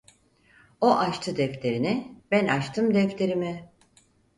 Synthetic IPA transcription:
oʔaʃt̪ʰɯd̪ɛclʲe̞ɾinɪbænat͡ʃt̪ʰɯmd̪ɛclʲe̞ɾimɪ

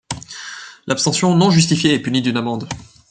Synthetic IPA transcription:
lʔapst̪ɑ̃sjɔ̃nɔ̃ʒyst̪ifjeɛpynid̪ynamɑ̃d̪

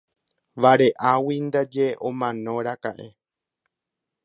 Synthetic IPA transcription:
ʋaɾe̞ʔawind̪ad͡ʒeʔõmãnõ̞ɾakaʔe̞

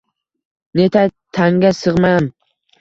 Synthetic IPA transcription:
net̪ʰat̪ʰaŋɡʲasɨʁmam

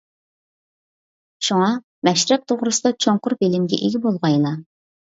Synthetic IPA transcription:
ʃuŋɑ | mɛʃɾɛp̚t̪ʰoʁɾɨsɨd̪ɑt͡ʃʰoŋqʊɾbelɪmɡʲɛ̰ʔeɡʲibolˠʁɑjlˠɑ

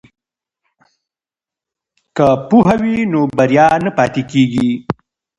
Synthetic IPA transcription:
kapuɦawinobɐɾjɑnapɑːt̪ekeɡi

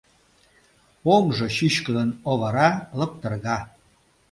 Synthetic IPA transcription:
omʒɤ̆ɕyɕkəd̪ənoɣəɾɑlə̆p̚t̪ə̆rɣɑ

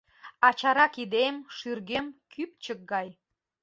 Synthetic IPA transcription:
ɑt͡ɕɑɾɑkid̪emʃyrɣemkʰypt͡ɕək̚ɡɑj

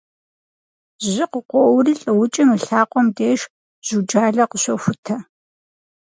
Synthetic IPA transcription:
ʑɪqəqʷɔwɾiːɬʼɨwʊt͡ʃʼɪmɨɬaːqʷɔmdeːʃ | ʑ̥ud͡ʒaːɮɐqəɕʷɔxʷʊtʰɐ

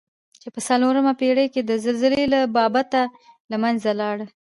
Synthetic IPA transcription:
t͡ʃepəsaloɾəmapeɽəjked̪əzəlzəlelabɑbat̪alamanzalɑɽə

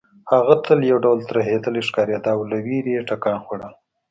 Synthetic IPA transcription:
haɣat̪ʰəljawɖawlt̪ɾaɦed̪əleʂkɑɾjed̪ɑwlawiɾieʈakɑːnxaɽa

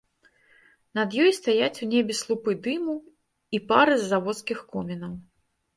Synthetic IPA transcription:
nɐd̪jɔjst̪ajat͡sʲunʲɛbʲɛslˠupɨd̪ɨmu | ipaɾɨzːavɔt̪skʲixkɔmʲɛnɐw

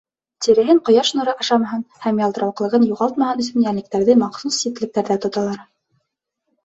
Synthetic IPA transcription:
t̪iɾɘ̆ɦɘɴqŏjɑʃnŏɾɤʔɑʃɑmɑɦɤnhæmjɑld̪ɤ̆ɾɑwqɤ̆lˠɤ̆ʁɤnjuʁɑlˠt̪mɑhɤnɵ̆sɵnjænɘ̆k̚t̪æɾðɘmɑqsusːit̪lɘ̆k̚t̪æɾðæt̪ŏt̪ɑlˠɑɾ

